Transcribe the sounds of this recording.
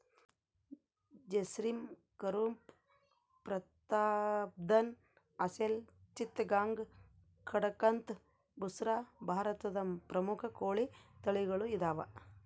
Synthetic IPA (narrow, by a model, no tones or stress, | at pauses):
d͡ʒesɾim | kɐɾuːmp | pɾɐt̪aːb̚d̪ɐn | ɐselt͡ʃit̪ɐɡaːŋɡ | kʰɐɽɐkɐnt̪ | busɾaːbʱaːɾɐt̪ɐd̪ɐpɾɐmukʰɐkoːɭit̪ɐɭiɡɐɭuid̪aːʋɐ